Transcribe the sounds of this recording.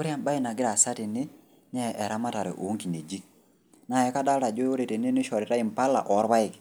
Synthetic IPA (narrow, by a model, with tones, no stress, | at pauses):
ʊ˦ɾja˦˨mba˦ɪ˦˨na˨ɡɪ˦ɾa˨sa˦tɪ˨nɪ˦ | ɲɛ˦ʔɛ˨ɾa˦ma˦ta˨ɾɛ̰˨ʔo˨˦ŋki˨ne˨d͡ʒi˦k̚ | na˨ɛ˨˦ka˦da˦lɾa˨d͡ʒo˦o˦ɾe˨te˨nɪ˦nɪ˦ʃɔ˨ɾɪ˨ɾa˦ɪ˨mpa˦la̰˨ʔɔ˨˦ɾba˦ɪ˨k